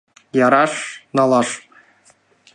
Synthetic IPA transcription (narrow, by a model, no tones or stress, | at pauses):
jɑɾɑʂnɑlˠɑʂ